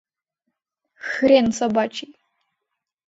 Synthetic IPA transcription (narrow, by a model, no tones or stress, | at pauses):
xɨɾensabat͡ʃʰʼi